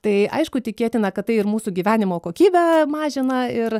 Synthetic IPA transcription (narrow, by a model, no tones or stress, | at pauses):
t̪ɐɪʔɐ̰ɪʃkʊtʲɪkʲeɛt̪ʲɪnɐkɐt̪t̪ːɐɪɪrmuːsuɡʲiːʋʲæːnʲɪmoːkoːkʲiːbʲɛmɑːʒʲɪnɐɪr